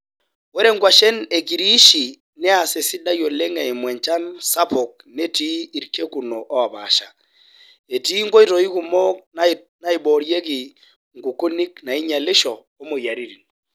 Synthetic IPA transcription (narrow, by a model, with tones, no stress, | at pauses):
wɛ˦ɾe˦ŋɡwa˨ʃɛ˦ne˨ki˨ɾi˦ʃi˨ | nɛ˦a˨se˨si˦da˦jo˨le˦ŋɛ˨i˨mwɛ˨ɲt͡ʃa˦nsa˦po˨k̚ | ne˦ti˦i˨ɾke˦ku˨no˨ʔɔ˦wa˨βa̰˨ʃa˨ | e˨ti˦ŋɡo˦i˦to˨i˦ku˦mɔ˦na | na˦i˨ɓɔ˨ɾje˦ki˨ | ŋɡu˨ko˦ni˦kna˨i˦ɲa˨le˦ʃɔː˨˦mo˨ja˨ɾi˦ɾi˨n